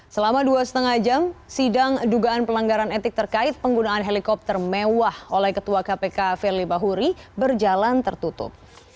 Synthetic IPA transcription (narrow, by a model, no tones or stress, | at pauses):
səlamaduasə̥t̪əŋad͡ʒamsidaŋduɡaːnpəlaŋɡaɾanɛt̪ɪk̚t̪ərkaɪt̪̚pəŋɡunaːnɦelikɔp̚t̪ərmewaholɛhkət̪uakapekafɛrlibaɦuɾibərd͡ʒalant̪ərt̪ut̪ʊ̰p̚